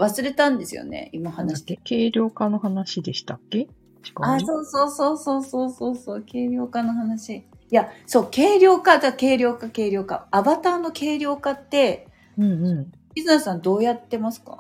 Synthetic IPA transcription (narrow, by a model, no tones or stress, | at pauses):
βasɨɾe̞t̪ãnd̪e̞sɨ̰jo̰nḛimahanai̥d̪eke̞ːɾʲo̞ːkano̞ɦanaɕid̪e̞ɕi̥t̪akːe̞ | t͡ɕi̥kaaːso̞ːso̞ːso̞ːso̞ːsoːso̞ːso̞ːke̞ːɾʲjo̞ːkano̞ɦanaɕi | jaso̞ːke̞ːɾʲo̞ːkat̪aake̞ːɾʲo̞ːkake̞ːɾʲo̞ːka̰ːbat̪aːno̞kʰe̞ːɾʲjo̞ːkat̪ːe̞ | ɯ̃ɴɯ̃ɴʲ | isɨnesɨ̥sãnd̪o̞ːjat̪ːe̞masɨ̥ka̰